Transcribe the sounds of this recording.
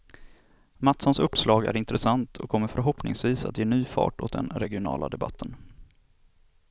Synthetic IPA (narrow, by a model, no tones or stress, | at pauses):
mat̪sɔnsɵpːslɑːɡæ̰ɾɪnt̪ɾɛsant̪ʰɔkʰɔmːəɾfœɾɦɔpnɪ̰ŋsviːsa̰t̪jeːnyːfɑ̰ːʈo̰ːt̪̚d̪ɛ̰nɾɛɡɪʊnɑ̰ːla̰d̪ɛba̰t̪ʰːən